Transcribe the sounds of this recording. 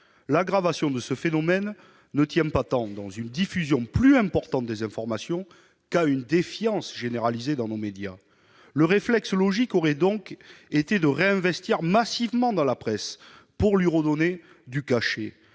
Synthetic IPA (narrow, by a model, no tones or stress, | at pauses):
laɡʁavasjɔ̃d̪əsəfenɔmɛnː | ət̪jɛ̃pat̪ɑ̃d̪ɑ̃zynd̪ifyzjɔ̃plyɛ̃pɔʁt̪ɑ̃t̪̚d̪ezɛ̃fɔʁmasjɔ̃ | kaynd̪efjɑ̃sʒeneʁalized̪ɑ̃nomed̪ja̰ | ləʁeflɛkslɔʒikɔʁɛd̪ɔ̃ket̪ed̪əʁeɛ̃vɛst̪iʁmasivmɑ̃d̪ɑ̃lapχɛs | puʁlɥiʁəd̪ɔne | d̪ykaʃe